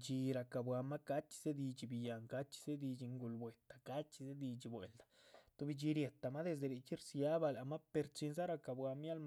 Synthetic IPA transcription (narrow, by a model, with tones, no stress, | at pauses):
t͡ʃi˧ɾa˧ka˨bwa˧ma˦ka˦t͡ʃi̥˧se˦d̪i˧t͡ʃi˧bi˧ja˨ŋka˦t͡ʃi̥˧z̥e˦d̪i˧t͡ʃi˧ŋɡu˧lbwe˨t̪ḁ˨ka˦t͡ʃi˧ze˦d̪i˧t͡ʃi˧bwḛ˨ld̪ḁ˨t̪o˧bi˧d͡ʒi˧ɾje˨t̪a˨ma˦d̪e˧s̬d̪e˧ɾi˧t͡ʃi˦ɾsja˦ba˧la˨ma˦pe˧ɾt͡ʃi˧nz̬a˦ɾa˧ka˧bwa˧mja˦lm